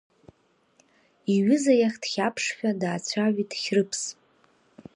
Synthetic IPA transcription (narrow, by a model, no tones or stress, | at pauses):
iɥʏzajaχʲd̥χʲapʰʂχʲᶣadaːt͡ɕʷʰaɥᶣidχʲrɨpʰs